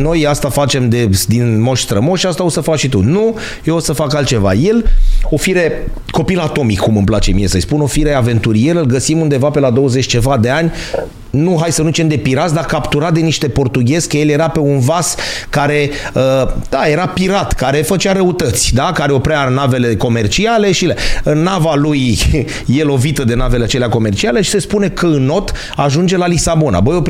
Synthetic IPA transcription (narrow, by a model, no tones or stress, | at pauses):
no̞jast̪afat͡ʃe̞md̪e̞sd̪inmo̞ʃst̪ɾəmo̞ʃast̪ao̞səfakʃit̪unu | jeosəfakalt̪̚t͡ʃeva̰je̞lo̞fiɾe̞ | ko̞pilat̪o̞mikːumɨmplat͡ʃe̞mije̞səjspuno̞fiɾeave̞nt̪uɾije̞ɾɨlɡəsimund̪e̞vape̞lad̪o̞wəzet͡ʃʲt͡ʃe̞vad̪e̞anʲ | nuɦajsənut͡ʃemd̪e̞piɾasd̪akapt̪uɾat̪̚d̪e̞niʃt̪e̞po̞rt̪uɡʲe̞zkəje̞lje̞ɾape̞unvaskaɾe̞əd̪aje̞ɾapiɾat̪kaɾe̞fət͡ʃʲaɾəut̪ət̪sʲd̪akaɾe̞o̞pɾeanave̞le̞ko̞me̞rt͡ʃiale̞ʃilenavaluj | je̞lo̞vit̪əd̪e̞nave̞leat͡ʃeleako̞me̞rt͡ʃiale̞ʃi̥se̞spune̞kəɨnːo̞t̪ | aʒund͡ʒe̞lalisabo̞na̰bəjop